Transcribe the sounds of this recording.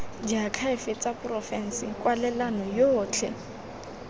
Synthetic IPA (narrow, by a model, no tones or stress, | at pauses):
d͡ʒakʰaɪfɪt͡sʼapʊrɔfɛn̩sɪkʼwalɛlanɔjoːt͡ɬʰɛ̰